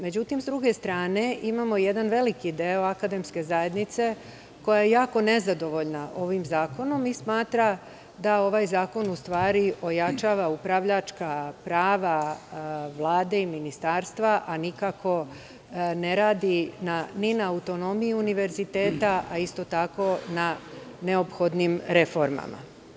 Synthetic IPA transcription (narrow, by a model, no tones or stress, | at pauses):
me̞d͡ʑut̪imzd̪ɾuɡe̞st̪ɾaːne̞ʔimamoje̞d̪anʋe̞likid̪eo̞akad̪e̞mske̞zaje̞d̪nit̪se̞ | ko̞jajejaːko̞ne̞zad̪o̞ʋo̞ʎnaʔo̞ʋimzaːko̞no̞mismaːt̪ɾa | d̪ao̞ʋaːjzaːko̞nust̪ʋaːɾiʔo̞jat͡ʃaːʋaupɾaʋʎat͡ʃkapɾaːʋa | ʋlˠaːd̪e̞iminist̪aːɾst̪ʋaʔanikako̞ | ne̞ɾaːd̪inaninaːut̪o̞no̞mijiuniʋe̞ɾzit̪e̞ːt̪aaist̪o̞t̪ako̞nane̞o̞pxo̞d̪nimɾe̞fo̞ɾma̰ma̰